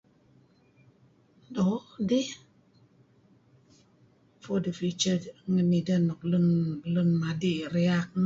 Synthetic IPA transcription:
dɔdi | fodəfit͡ʃəŋənidənok̚lənlənmadiɾiak̚n

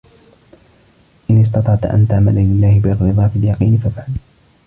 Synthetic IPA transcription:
ʔɪnɪs̬t̪ɑt̪ˤɑʕt̪ʔa̰nt̪aʕmalalɪlːaːhɪbɪrːɨðˤɑːfɪljɑqiːnɪfafʕal

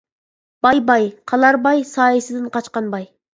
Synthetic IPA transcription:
b̥ɑjbɑjqʰɑlˠɑɾbɑjsɑːjesɨd̪ɪnqʰɑt͡ʃqɑnbɑj

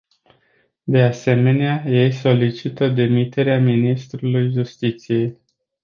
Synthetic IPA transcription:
d̪e̞ase̞me̞neaje̞jso̞lit͡ʃit̪əd̪e̞mit̪e̞ɾeaminist̪ɾulujʒust̪it̪sije̞j

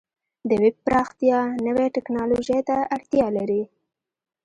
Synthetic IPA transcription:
d̪əwɪb̚pɾɑxt̪jɑnəweʈɪknɑloʒejt̪aaɽt̪jɑlaɾi

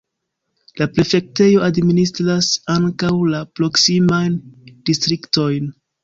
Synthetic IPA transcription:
lapɾe̞fe̞k̚te̞jo̞ʔadministɾasaŋkawlapɾo̞ksimajndistɾikto̞jn

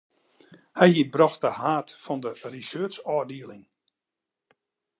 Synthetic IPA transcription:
hɛjhiəbrɔx̚dəhaːtfɔndərisøːt͡ʃɔːdiəlɪŋ

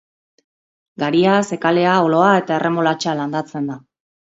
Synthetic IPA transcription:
ɡaɾiase̞kale̞aolo̞ae̞t̪ae̞re̞molat͡ʃaland̪at͡se̞nd̪a

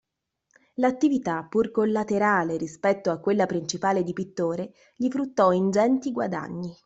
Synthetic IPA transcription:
lat̪ːivit̪apːurkolːat̪eɾaːleɾispɛt̪ːoakːwelːapɾint͡ʃipaːled̪ipit̪ːoːɾe | ʎifɾut̪ːɔind͡ʒɛnt̪iɡwa̰d̪a̰ɲːi

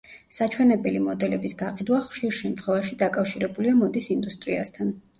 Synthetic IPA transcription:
sat͡ʃʰwɛnɛbɛlimɔd̪ɛlɛbisɡaqʼid̪waχʃiɾʃɛmt̪ʰχwɛvaʃid̪akʼafʃiɾɛbuliamɔd̪isind̪ust̪ʼɾia̰st̪ʰan

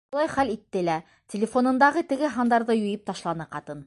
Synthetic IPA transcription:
ulˠɑjχælit̪ːɘlæ | tʲɪ̆lʲɪfo̞nɤ̆nd̪ɑʁɤt̪ɘ̆ɡɘɦɑnd̪ɑɾðɤjɵ̆jɘp̚t̪ɑʃlˠɑnɤqɑt̪ɤn

